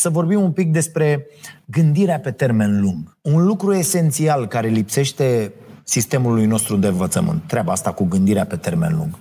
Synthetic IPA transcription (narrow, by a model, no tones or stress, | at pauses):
səvo̞rbimumpik̚d̪e̞spɾe̞ɡɨnd̪iɾeape̞t̪e̞rme̞nluŋɡ | unlukɾue̞se̞nt̪sialkaɾe̞lipse̞ʃt̪e̞sist̪e̞mulujno̞st̪ɾud̪e̞ɨɱvət̪səmɨ̰nt̪ːɾeabaast̪akuɡɨnd̪iɾeape̞t̪e̞rme̞̰nlṵŋɡ̥